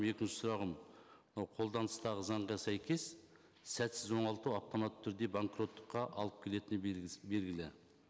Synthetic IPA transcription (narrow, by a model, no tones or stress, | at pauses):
me̞kʲɪnʃɪ̥sʊɾɑʁəmnɑwqʰo̞lˠd̪ɑnəst̪ɑʁəzɑɴʁɑsæjkʲʰe̞s | sæt̪sɪzwo̞ɴɑlˠt̪uwɑft̪o̞mɑt̪ʰːʏɾd̪e̞baŋkro̞t̪ːə̥qːɑʔɑlˠəp̚kʲʰe̞le̞t̪ɪnɪbe̞lɡʲɪlɪ